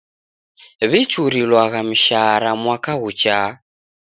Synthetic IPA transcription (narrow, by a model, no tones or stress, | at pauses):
βit͡ʃuɾilwaɣam̩ʃaɾamwakaɣut͡ʃa